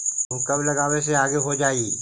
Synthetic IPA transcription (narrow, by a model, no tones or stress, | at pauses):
ʊ̃kɐblɐɡaːwes̬eaːɡeɦod͡ʒaːi